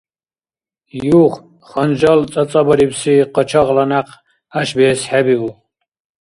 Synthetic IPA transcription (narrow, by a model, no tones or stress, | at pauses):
juχ | χɔnd͡ʒalt͡sʼat͡sʼabɔɾibsiqʼɔt͡ʃʰaʁlanaq | aʃbɛːsħɛbiu